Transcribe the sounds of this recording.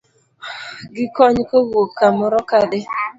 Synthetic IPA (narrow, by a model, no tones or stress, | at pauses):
ɡɪkɔɲkowokkamɔɾɔkad̪e